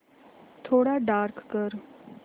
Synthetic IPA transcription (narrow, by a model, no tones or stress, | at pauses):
t̪ʰoːɽaɖaːɾkkəɾ